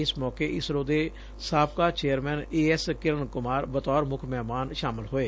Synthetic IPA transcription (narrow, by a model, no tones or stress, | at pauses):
ɪsmɔːkeːʔɪsɾoːd̪eː | saːpkaːt͡ʃeːəɾmɛːneːɛskɪɾəɳkʊmaːɾbət̪ɔːɾmʊkʰmɛːmaːnʃaːmɪlɦoːeː